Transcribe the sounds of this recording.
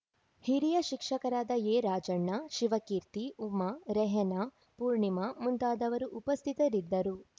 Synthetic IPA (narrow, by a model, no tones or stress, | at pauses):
hiɾijɐʃikʂɐkɐɾaːd̪ɐeːɾaːd͡ʒɐɳːɐʃiʋɐkiːɾt̪iumɐɾɛɦɛnɐ | puːɾɳimɐmunt̪aːd̪ɐʋɐɾuʔupɐst̪ʰit̪ɐɾid̪ːɐɾu